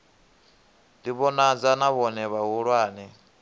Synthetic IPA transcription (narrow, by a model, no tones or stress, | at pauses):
diβɔnad͡zanaβɔnɛβaɦuɺwaːnɛ